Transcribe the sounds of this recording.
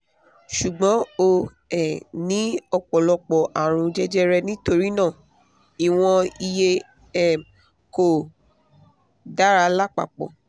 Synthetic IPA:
ʃu˨ɡ͡bɔ̃˨˦o˧ | ɛ˨nĩ˨˦ɔ˧k͡pɔ˨lɔ˧k͡pɔ˨ʔa˨ɾ̃ũ˧d͡ʒɛ˦d͡ʒɛ˦ɾɛ˧nĩ˦to˧ɾi˦nãː˦˨ | i˨w̃ɔ̃˧i˧je˧˦˨ | ko˨ | da˨˦ɾa˧la˦k͡pa̰˨k͡pɔ̰˨

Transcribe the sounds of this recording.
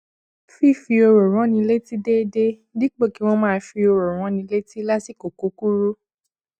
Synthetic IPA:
fi˦˨fi˧o˧ɾo˨ɾ̃ã˨˦nĩ˧le˦ti˦de˦de˦ | di˦k͡po˦˨ki˨˦wɔ̃˦mãː˦˧fi˧o˧ɾo˨ɾ̃ã˨˦nĩ˧le˦ti˦la˦si˦˨ko˨ko˨˦ku˦ɾu˦

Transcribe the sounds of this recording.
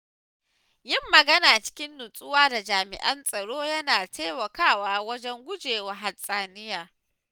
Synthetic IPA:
jɪ˦mːɐ˨ɡɐ˦naː˨t͡ʃɪ̥˦kʲɪ˦nːʊ˨sʼʊ˦waː˦da˨d͡ʒaː˨mɪ̰˨ʔɐ˦nsʼɐ˨ɽoː˦jɐ˦naː˨tʰeː˦mɐ˨kaː˦˨waː˦wɐ˦d͡ʒɛ˦ŋɡʷʊ˦d͡ʒeː˨wa˨ɦa˨sʼaː˨nɪ˦jaː˨

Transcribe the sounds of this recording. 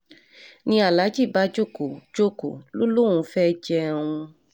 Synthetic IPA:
nĩ˧a˨la˨˦d͡ʒi˦˨ba˦d͡ʒo˦˨ko˨d͡ʒo˦ko̰˨lo˦lo˦˨ũ˨˧fɛ˦d͡ʒɛ˧˦˧w̃ũ˧

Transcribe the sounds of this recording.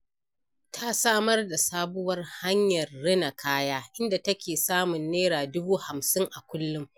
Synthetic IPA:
tʰa˦saː˦mɐ˦rda˨saː˦bʊ˦wɐ˦rha˦ɲjɐ˨rːɪ˦na˨kʰaː˦jaː˦ʔɪ˦nda˨tɐ˦kʲeː˨saː˦mʊ˨nːeː˦ɾaː˨dʊ˦buː˦ha˨msɪ˦ŋʔa˨kʷʊ˦lːʊ˦m

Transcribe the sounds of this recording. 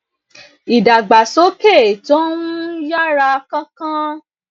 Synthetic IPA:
i˨da˨ɡ͡ba˨so˨˦pe˦˨to˦ũ˦ja˦ɾa˧kã˦kã˦

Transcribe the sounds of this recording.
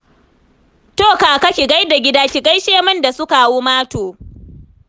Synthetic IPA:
toː˦˨kaː˨kɐ˦kʲi˨ɡa˦jda˨ɡʲɪ˦daː˦kʲɪ˨ɡa˦jʃeː˦˨mɐ˦nda˨sʊ˦ka˨woː˦maː˦toː˨

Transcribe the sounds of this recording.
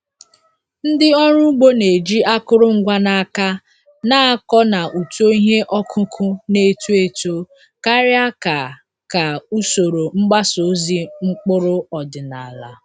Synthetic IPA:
n̩˦dɪ˦ɔ˦ɾu˦ɡ͡bo˦ne˨d͡ʒi˦a˦kʊ˦ɾʊ˦ŋ̩˦ɡʷa˦na˨a˨ka˦ | na˦a˦kɔ˦na˨ʔu˨to˦i˦ɦe˦ʔɔ˦kʰʊ˦kʰʊ˦ne˨tu˦e˨to˦ | ka˦ɾɪ˦a˦ka˨ | ka˨u˦so˨ɾo˨ŋ͡m̩˦ɡ͡ba˦so˨˦zi˦ŋ͡m̩˦k͡pʊ˦ɾʊ˦ɔ˨dɪ˨na˨la̰˨

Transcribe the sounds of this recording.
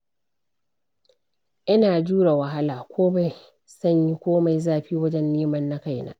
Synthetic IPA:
ʔɪ˦naː˨d͡ʒuː˦ɽa˨wɐ˨ɦa˦laː˨kʷʰoː˦ba˨j | sɐ˦˨ɲji˦kʷoː˦ma˨jzaː˦ɸiː˦wɐ˦d͡ʒɛ˦nːeː˦mɐ˦nːa˦ka˦˨jna̰ː˦ʔ

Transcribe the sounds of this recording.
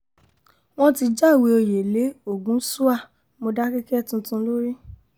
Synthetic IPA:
w̃ɔ̃˦ti˧d͡ʒa˦˨we˧o˧je˨le˨˦o˦˨ɡũ˨˦su˦a˦˨ | mo˧da˦ki˦kɛ˦˨tũ˧tũ˧˦lo˦ɾi˦

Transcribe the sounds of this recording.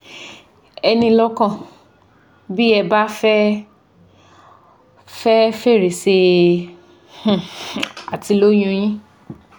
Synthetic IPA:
ɛ˧nĩ˧lɔ˦kã˦˨ | bi˦ɛ˧ba˦fɛ˦ | fɛ˦fe˦˨ɾe˨se˧ | h̩˦˨a˨ti˧lo˦j̃ũ˧j̃ĩ˦

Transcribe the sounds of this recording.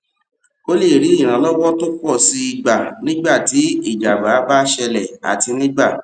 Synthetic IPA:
o˦le˦˨ɾi˨˦i˦˨ɾ̃ã˨˦lɔ˦wɔ˦to˦k͡pɔ˦˨si˧i˧ɡ͡ba˨nĩ˦ɡ͡ba˦˨ti˨˦i˦˨d͡ʒa˨ɡ͡ba˨˦ba˦ʃɛ˧lɛ˦˨a̰˨ti˧nĩ˦ɡ͡ba˦˨

